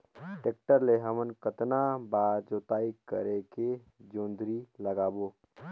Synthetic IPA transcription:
ʈeːk̚ʈəɾleɦəmənkət̪nabaːd͡ʒoːt̪aːikəɾeke | d͡ʒõːnd̪ɾiləɡaːboː

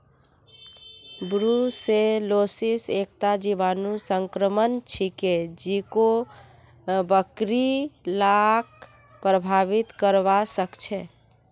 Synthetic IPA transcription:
bɾuselosisek̚t̪ad͡ʒiʋanusəŋkɾəmənt͡ʃʰiked͡ʒiko | bəkɾilak | pɾəbʱaʋit̪kəɾʋasəkt͡ʃʰɛ

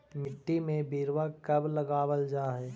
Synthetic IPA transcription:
mɪʈːimẽbiːɾʋakɐbləɡaːwəld͡ʒaːɦɛː

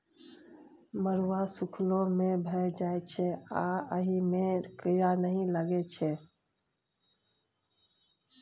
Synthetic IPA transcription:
məɾwasukʰlõmẽbʱəjd͡ʒajt͡ʃʰɛaəɦimekəjanəɦĩləɡɛt͡ʃʰɛ

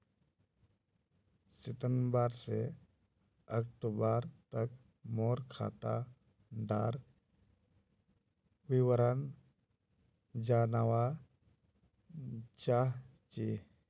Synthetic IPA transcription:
sɪt̪ənbaːɾse | ək̚ʈubaːɾt̪ək | moːɾkʰa̰ːt̪a | ɖ̪aːɾ | wiwəɾan | d͡ʒaːnawa | t͡ʃa | t͡ʃi

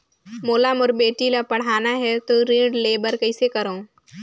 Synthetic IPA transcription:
moːlaːmoɾbeːʈilapɐɽ̤aːnaɦɛt̪oɾĩːɖleːbəɾkɐɪsekɐɾõː

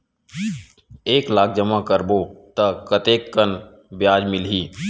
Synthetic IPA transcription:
eːklaːk̚ʰd͡ʒəmakəɾboːt̪ɐkət̪eːkːən | bjaːd͡ʒmɪlɦiː

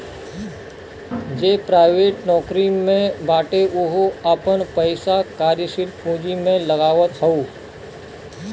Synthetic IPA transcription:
d͡ʒeːpɾaːɪʋeːʈnɔːkɾimẽbʱaːʈeʔʊɦɐpənpəɪsakaːɾjəʃɪɾpũːd͡ʒimẽlɐɡaːʋət̪ɦɐuː

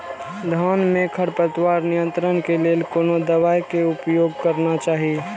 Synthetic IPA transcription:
d̪ʱaːnmẽkʰəɾpət̪waːɾnijə̃nt̪ɾənkeleːlkoːnod̪əʋaːjkeʊpjoːɡ̚kəɾnat͡ʃaːɦi

